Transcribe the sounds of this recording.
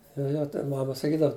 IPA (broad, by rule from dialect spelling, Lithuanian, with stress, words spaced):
joː ˈjoː tʲɛn ˈmɑːmɐ sɐˈkʲiːdɐw